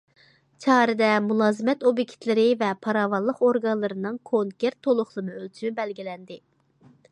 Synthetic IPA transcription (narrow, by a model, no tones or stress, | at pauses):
t͡ʃʰɑːɾɨd̪ɛmulˠɑːzɨmɛt̪obikʲʰi̥t̪lɪɾɪvɛpʰɑɾɑːvɑlˠːəqoɾɡɑnlˠɨɾɨnɨŋkʰoŋkʲeɾt̪ʰːolˠʊχlˠɨnɨølt̪ʰymybɛlɡʲilɛnd̪ɪ